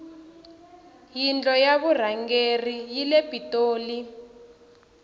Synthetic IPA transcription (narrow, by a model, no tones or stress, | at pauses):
jind͡ɮʼɔjaβur̤aŋɡerijilebʱitʼoːli